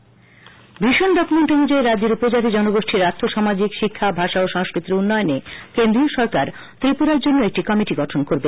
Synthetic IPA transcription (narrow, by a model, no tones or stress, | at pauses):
biʃonɖɔkumeɳʈonud͡ʑoeɾad͡ʑːeɾupod͡ʑat̪id͡ʑɔnoɡoʃʈʰiɾat̪ʰːoʃamad͡ʑikʃikʰːabʱaʃaoʃaŋskɾit̪ːɾiunːɔeonekend̪ɾioʃɔɾkaɾ | t̪ɾipuɾaɾd͡ʑonːoek̚ʈikɔmiʈiɡɔʈʰonkoɾbe